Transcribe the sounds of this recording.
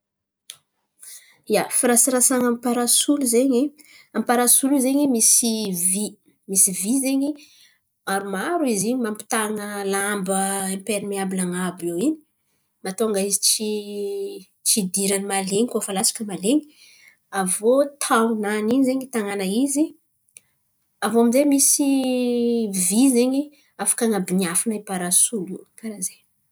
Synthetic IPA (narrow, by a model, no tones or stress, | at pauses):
iafiɾasiɾasaŋampaɾasuluzeɲi | ampaɾasulizeɲimisivi | misivizeɲi | aɾumaɾuiziɲimampi̥t̪aŋəlambəempeɾimiabilaŋabowini̥ | mat̪oŋɡaizit͡ʃi | t͡ʃid̪iɾanimaleɲikofalat͡sḁkəmaleɲi | avot̪ʰananiɲizeɲit̪aŋanaizi | avoamizemisi | vizeɲi | afḁkaŋabinafinaipaɾasulukaɾaze